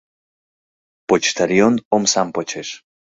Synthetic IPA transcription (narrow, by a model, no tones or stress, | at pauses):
pot͡ʃt̪aɾjonomsampot͡ʃʰeʃ